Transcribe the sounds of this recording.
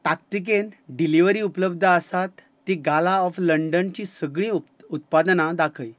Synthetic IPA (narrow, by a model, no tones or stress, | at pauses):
t̪ak̚t̪ik̬enɖiliʋəɾiːupləb̚d̪ʱəəsat̪ːiɡalaɔfləɳɖənt͡ɕiːsəɡɳĩː | ut̪̚pad̪nad̪akʰəj